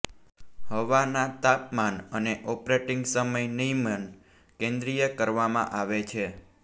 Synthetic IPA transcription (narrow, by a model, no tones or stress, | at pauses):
ɦəʋanat̪apmanəneʔɔpɾeʈiŋɡsəməjnimən | kẽnd̪ɾijəkəɾʋamã̰ʔaʋet͡ʃʰe